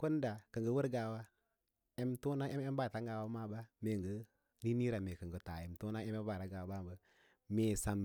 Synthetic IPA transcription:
ko˦n˦da˨kə˨ŋɡə˦wə˦ɾɡa˨wa˦ | e˦mto˦na˦e˦e˦mba˦˨ta˨˦ŋɡa˨wa˦ma˦ba˦me˨ŋɡə˦ | ni˦ni˦ɾa˨me˨kə˨ŋɡə˨ta˨e˨mto˦na˦e˦m˦e˦ba˨ɾa˨˦ɡa˨wa˦ba˦m˨bə˦ | me˨sa˨m

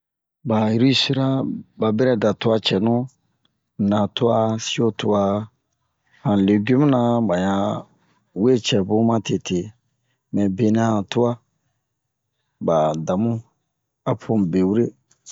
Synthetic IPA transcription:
ba˨i˦ɾi˦si˦ɾa˦ba˨bɛ˦ɾɛ˦da˨tu˦a˦t͡ʃɛ˨nũ˦˨ | nã˨tu˦a˦si˦o˦tu˦a˦ | hã˨le˨ɡu˦m˦nã˨˦ba˨ɲã˨ | we˦t͡ʃɛ˨bũ˦mã˦tʰe˨tʰe˨ | mɛ̃˨be˨nɛ̃˨˦hã˨tu˦a˦ | ba˨da˨mũ˦ | a˦pʰõ˨be˨wu˦ɾe˦

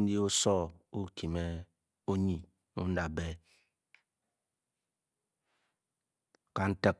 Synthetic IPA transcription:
di˦o˦sɔ˦u˦kʰi˨me˦ | o˦ɲi˨ | u˦n̩˦da˨be˦ | ka˨n̩˦tə˦

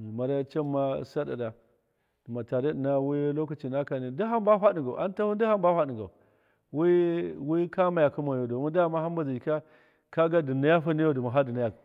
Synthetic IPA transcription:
ma˨ɾa˦ja˦t͡ʃa˦ma˦sa˦da̰˨da˨ | du˨ma˨ta˨de˦di˨na˦wi˦jlo˦ka˨t͡ʃi˨na˦ka˨ni˨di˦ɦa˦mba˦ɸa˦di˨ŋɡa˨ʔa˦nta˦hu˦n˦di˦ha˦mba˦ɸa˦di˨ŋɡa˨ | wi˦wi˦ka˦ma˨ja˨ku˦ma˨o˨do˨ma˦da˦˨ma˦ɦa˦mba˨zi˨i˨ka˦ | ka˦ɡa˦di˨na˦ja˦fa˦ni˦jo˦˨du˨ma˨ɦa˦di˨na˦ja˨

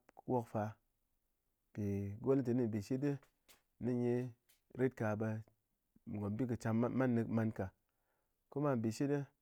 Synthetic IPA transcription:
pwo˦kfa˧˨ | pi˨ɡo˦ltɨ˨˦ni˦˨bi˨ʃi˦dɨ˦ | ni˦ɲe˦ | ɾe˦t̚ka˧bə˧ | m˨ɡo˨m˦bi˦k̬ɨ˨t͡ʃa˧m˦ma˦nːɨ˧kma˧nka˨ | ko˦ma˦˨m˨bi˨ʃi˦dɨ˦

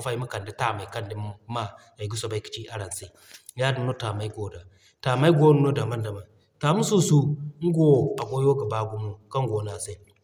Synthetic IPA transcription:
fa˨i˦ma˦ka˨ndi˦ta˦˨ma˨ka˦ndi˦ma˦˨ | a˨ɡi˦so˨ba˦i˦ki̥˨t͡ʃi˦a˦ɾa˨nsi˨˦ | ja˦du˨no˦ta˨ma˨˦i˦ɡo˨da˨ | ta˨ma˦i˦ɡo˦nu˦no˦da˨ma˦nda˨ma˨n | ta˨mu˦su˦su˦ŋ̩˦ɡo˦˨a˨ɡo˦jo˦ɡa˨ba˦ɡu˦mu˦ka˦ŋ˦ɡo˨na˨se˦

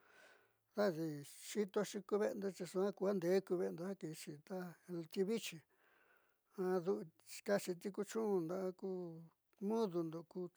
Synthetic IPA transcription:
ða˦ði˧ʂi˦t̪o˧ʃi˧ku˧βe˦˧nd̪o˧t͡ʃi˧ʂũ˧ã˦ku˧ha˦nd̪e˨˦ku˧βe˧nd̪o˧ha˦ki˧t͡ʃi˧t̪a˦˧t̪i˧βi˦t͡ʃi˧ | ã˧ðu˧ʔka˦t͡ʃi˧t̪i˦ku˧t͡ʃũ˦˧nd̪a˧ʔku˧ | mũ˦ðu˧nd̪o˧ku˧

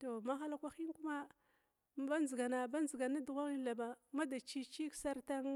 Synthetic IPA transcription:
to˨ma˦xa˦la˦kʷa˦xi˦n˦ku˦ma˦ | ba˦nzi˨ɡa˨na˨ba˦nzi˨ɡa˨na˦du˨ɣa˦ŋi˦la˨ba˨ma˦da˨t͡ʃi˦t͡ʃi˦ksa˦ɾta˦ŋ

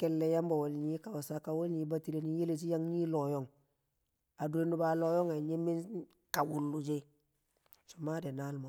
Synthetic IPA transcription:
ke˦lːe˨ja˦mbo˨wo˨lɲi˦ka˨wa˨sa˦ka˨wo˦lɲi˨˦ba˦ti˦le˨ni˦je˦le˦˨t͡ʃi˦ja˦ŋɲi˦lo˨jo˦ŋ | a˨du˨e˦nu˦ba˨lo˦jo˦ŋa˨ɲe˦mi˦n | ka˨wu˦˨lːu˨d͡ʒe˦ | so˨ma˦de˨na˦lmo˨

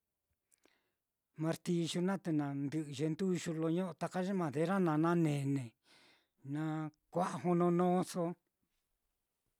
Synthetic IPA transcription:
mã˧ɾt̪i˧ʒu˧nã˦t̪e˧nã˨nd̪ɨ˧˨ʔɨ˧ʒe˧nd̪u˦˧ʃu˧lo˧ɲõ˦˧t̪a˧ka˦ʒe˦mã˨ðe˧˦ɾa˦nã˧nã˦nẽ˨nẽ˨ | nã˧kʷa˦ʔa˧ɦo˧nõ˧nõː˦so˧

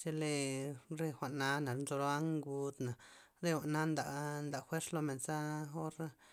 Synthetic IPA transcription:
t͡ʃe˧le˧ɾe˧xʷa˨ʔna˦na˨ɾnzo˧ɾo˦a˦ŋɡu˧d̪na˨ | ɾe˦xʷa˨ʔna˦nd̪a˨nd̪a˨xwe˦ɾslo˧me˨nsa˦o˦ɾa˦

